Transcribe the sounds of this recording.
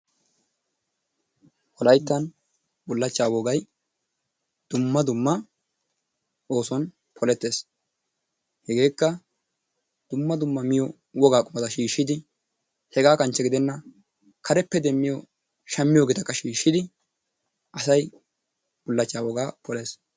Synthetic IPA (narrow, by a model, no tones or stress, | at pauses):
pɔlɐjt̪ːɐn | bʊlːɐt͡ʃːaːwɔɡɐj | d̪̥ʊmːɐd̪ʊmːɐ | o̞ːsɔn | pʰɔlɛt̪ːe̞ːs | hɛɡe̞ːkːɐ | d̪̥ʊmːɐd̪ʊmːɐmɪjɔ | wɔɡaːkʼʊmɐd̪ɐʃiːʃːɪd̪ɪ | hɛɡaːkɐnt͡ʃːɛɡɪd̪ɛnːɐ | kʰɐɾɛpːɛd̪ɛmːɪjɔ | ʃɐmːɪjoɡeːt̪ɐkːɐʃiːʃːɪd̪ɪ | ʔɐsɐj | b̥ʊlːɐt͡ʃːaːwɔɡaːpɔleːs